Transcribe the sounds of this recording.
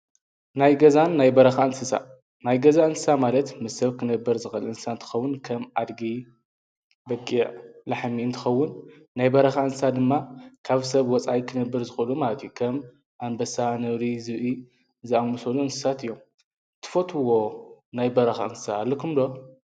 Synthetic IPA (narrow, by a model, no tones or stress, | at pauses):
najɡɐzanːajbɐɾɐxaɨnsɨsa̰ | najɡɐzaɨnsɨ̥samalɐt̪mɨsːɐβkʰɨnɐbːɐɾzɨxɐlɨnsɨsant̪ʰɨ̥xɐwːʊnkʰɐmʕad̪ɡi | bɐkʼːiʕlaħmiɨnt̪ʰɨ̥xɐwːʊnː | ajbɐɾɐxaɨnsɨsad̪ɨmːakʰaβsɐβwɔt͡sʼajkʰɨnɐbːɐɾzɨxɨlumalɐt̪ʰjukʰɐm | ʔambɐsanɐβɾizɨβi | zɨamusoluɨnsɨ̥sat̪ɨjːom | t̪ʰɨ̥fot̪ʰɨwo̞najbɐɾɐxa̰ɨnsɨ̥saːlːɐkʰumd̪o